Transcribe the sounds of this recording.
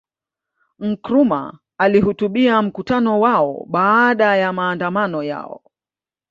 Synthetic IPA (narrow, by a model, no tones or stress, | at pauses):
ŋ̩kɾuma̰ | alihutuɓiam̩kutanɔwaɔ̰ɓaːɗajamaːndamanɔja̰ɔ̰